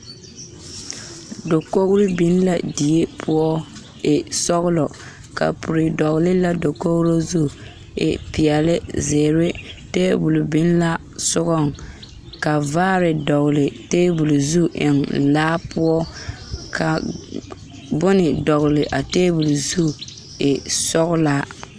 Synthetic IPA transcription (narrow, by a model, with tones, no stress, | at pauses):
do˨ko˦ɣɾi˦bi˦n˦la˨di˨e˦pʰʊ˦ɔ˦ | ɪ˨sɔ˦ɣʊ˦lɔ˨ | ka̰˨pʰu˨ɾɪ˨dɔ˨ɣlɪ˦la˦do˨ko˦ɣɾo˦zu˦˨ | ɪ̰˨pi˨ɛ˨lɪ˦zeː˨ɾɪ˦teː˦bu˨lbi˦n˦la˦ | sʊ˦ɣɔ˦˨ŋ | ka˨vaː˦ɾɪ˨dɔ˨ɣʊ˨lɪ˨teː˦bu˨lu˨zu˦ʔɪ̰˨nlaː˦pʊ˦ɔ˦kʰa˨ | bʊ˦nɪ˨dɔ˨ɣʊ˨lɪ˨ʔa˨teː˦bu˨lzu˦ | ɪ˨sɔ˦ɣʊ˦la˦